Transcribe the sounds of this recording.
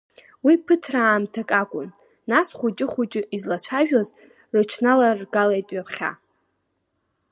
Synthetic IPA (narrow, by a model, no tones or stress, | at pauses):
wipʰɨtʰraːmtʰakʼakʷʼʊnː | asχʷut͡ʃʼɪχʷut͡ʃʼɪizlat͡ɕʷʰaʒᶣaz | rɨt͡ʃʰnalarɡalajtʼɥapʰχʲa̰